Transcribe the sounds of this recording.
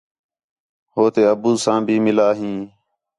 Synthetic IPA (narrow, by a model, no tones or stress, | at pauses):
ɦoːt̪eːəbuːsãːbʱiːmɪlaːɦĩː